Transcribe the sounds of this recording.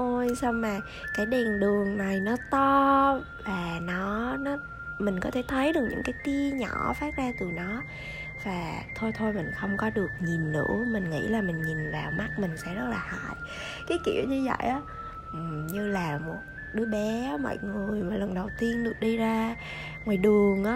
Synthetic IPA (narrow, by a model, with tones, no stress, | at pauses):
o˧jsa˧wŋ͡mmːaː˨˩ | kaː˨˦jɗe˨˩nɗɨ˨˩əŋna˨˩jnɔ˨˦t̪ɔ˧ | vaː˨˩nɔ˨˦nɔ˨˦ | mï˨˩ŋ̟kɔ˨˦t̪ʰe˧˩t̪ʰə˨˦jɗɨ˨˩k̚ɲɨ̰˧˥ŋkaː˨˦jt̪i˧əɲɔ̰˧˩faː˦˥t̚zaː˧t̪ɨ˨˩nɔ˨˦ | vaː˨˩t̪ʰo˧jt̪ʰo˧jmï˨˩ŋ̟xə˧wŋ͡mkɔ˨˦ɗɨ˨˩ək̚ɲi˨˩nːɨ̰˧˥mï˨˩ŋ̟ŋḭ˧˥laː˨˩mï˨˩ŋ̟ɲi˨˩nvaː˨˩wma˦˥t̚mï˨˩ŋ̟sɛ̰˧˥nɔ˨˦laː˨˩ha̰ː˧˨j | kaː˨˦jkḭ˧˨əwɲɨ˧zə̰˧˨jʔaː˨˦ | ʔ̩˨˩ɲɨ˧laː˨˩mo˨˩t̚ | ɗɨ˨˦əɓɛ˨˦˧mɔ̰˧˨jŋɨ˨˩ə˩əjmaː˨˩lə˨˩ŋ͡mɗə˨˩wt̪i˧ənɗɨ˨˩ək̚ɗi˧zaː˧ | mɨ˨˩jɗɨ˨˩əŋʔaː˨˦